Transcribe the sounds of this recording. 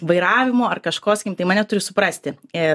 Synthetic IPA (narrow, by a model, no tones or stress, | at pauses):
ʋɐɪɾɑːʋʲɪmoːɐrkɐʃkoːsɐkʲimt̪ɐɪmɐnʲɛt̪ʊɾʲɪsʊpɾɐsʲt̪ʲɪɪ